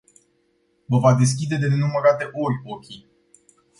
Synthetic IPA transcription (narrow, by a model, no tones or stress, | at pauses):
vəvad̪e̞s̬kʲid̪e̞d̪enuməɾat̪e̞ʔo̞rʲokʲi